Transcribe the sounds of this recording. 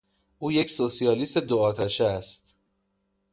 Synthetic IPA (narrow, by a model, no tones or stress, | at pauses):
ʔuːje̞csosijɒːlist̪ed̪oɒːt̪ʰæʃæst̪